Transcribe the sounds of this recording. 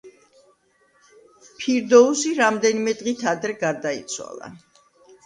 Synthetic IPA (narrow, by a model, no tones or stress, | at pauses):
pʰiɾd̪ɔusiɾamd̪ɛnimɛd̪ʁit̪ʰad̪ɾɛɡaɾd̪aḭt̪sʰwa̰lˠa̰